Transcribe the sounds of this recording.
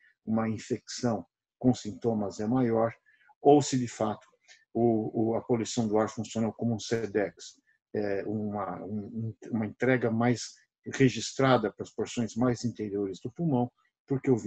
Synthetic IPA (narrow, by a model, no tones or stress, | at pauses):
ũmɐĩfeksɐ̃w̃ | kõsĩnt̪õmɐzɛmajɔɾ | owsɪd̪ɪfat̪ʊ̥ | ʊɐpolujsɐ̃w̃d̪ʊaɾfũsionowkõmʊũsɛd̪ɛks | ɛũmɐũũmɐẽnt̪ɾɛɡɐmajs | heʒist̪ɾad̪ɐpɾɐspoɾsõj̃zmajzĩnt̪eɾioɾɪzd̪ʊpumɐ̃w̃ | poɾkeewv